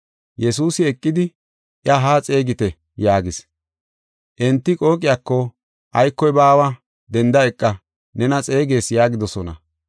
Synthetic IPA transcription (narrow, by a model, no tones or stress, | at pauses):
jɛsuːsɪɛkʼːɪd̪ɪ | ʔɪɐɦaːt͡sʼe̞ːɡɪt̪ɛ | jaːɡɪs | ʔɛnt̪ːɪkʼo̞ːkʼɪjaːkːɔ | ʔɐjkːɔjbaːwɐ | d̪ɛnd̪ɐɛkʼːɐ | nɛnɐt͡sʼe̞ːɡe̞ːsjaːɡɪd̪ɔsɔnɐ̰